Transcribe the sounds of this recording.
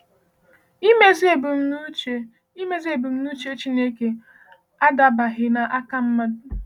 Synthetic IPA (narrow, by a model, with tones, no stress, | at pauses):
i˦me˦ze˦˨bʊ˨m̩˦n˦t͡ʃe˦ | i˦me˦ze˦˨bʊ˨m̩˦nu˦t͡ʃe˦t͡ʃi˦ne˦ke˨ | a˦da˨ba˨ɦɪ˦na˨ʔa˦ka˦m̩˦ma˦d